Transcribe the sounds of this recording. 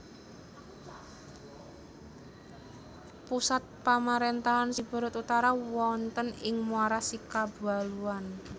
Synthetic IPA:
pusat̪̚pamaɾent̪aɦansib̥ṳɾʊt̪ut̪aɾawɔnt̪ənɪŋmuaɾasikab̥a̤luan

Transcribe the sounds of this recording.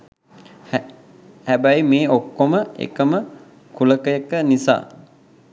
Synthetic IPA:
hæbæjmeːokːoməḛkəmə | kuləkəjəkənisa̰ː

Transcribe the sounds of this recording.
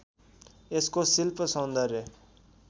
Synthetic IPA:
eskosɪlpəsõːnd̪aɾeː

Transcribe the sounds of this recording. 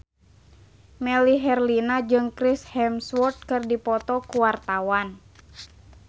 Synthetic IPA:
mɛliɦɛrlinad͡ʒɨŋkɾishɛmswɔrt̪̚kɨrdipɔt̪ɔkuwart̪awan

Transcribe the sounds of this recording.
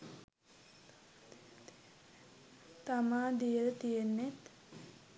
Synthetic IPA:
t̪amad̪ijəlt̪ijenːet̪

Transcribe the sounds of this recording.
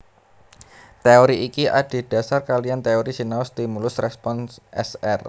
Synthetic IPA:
t̪eoɾiʔikiʔad̥i̤d̥a̤sarkaliant̪eoɾisinaʊst̪imulʊsrɛspɔnsʔɛ̰sɛr

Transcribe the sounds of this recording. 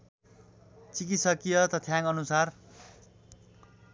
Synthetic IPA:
t͡sikit̪sʌkijʌt̪ʌt̪ʰjaŋʌnusar

